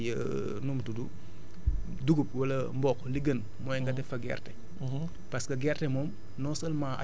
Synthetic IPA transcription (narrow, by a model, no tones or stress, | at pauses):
jə | numtudu | duɡup̚wɐlɐmbɔkliɡən | mɔjŋɡɐdɛfɐɡɛ̰rtɛ | pɐskɐɡɛrtɛmɔːm | nɔːsɐlmaʔa̰